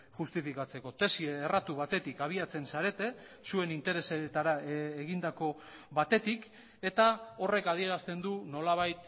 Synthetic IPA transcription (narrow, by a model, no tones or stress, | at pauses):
ʝust̪ifikat͡se̞ko̞t̪e̞sieːrat̪uβ̞at̪e̞t̪ikaβ̞iat͡se̞nsaɾe̞t̪e̞ | sue̞nint̪e̞ɾe̞set̪aɾaeɣind̪ako̞ | βat̪e̞t̪ik | e̞t̪ao̞re̞kað̞ie̞ɾast̪e̞nd̪uno̞laβ̞ajt̪